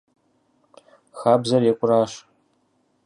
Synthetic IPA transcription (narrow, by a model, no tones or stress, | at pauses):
xaːbzɐrekʷʼʊraːʃ